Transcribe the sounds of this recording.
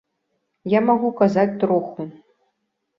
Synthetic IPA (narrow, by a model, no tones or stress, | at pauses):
jamaɣukazat͡sʲt̪ɾɔxu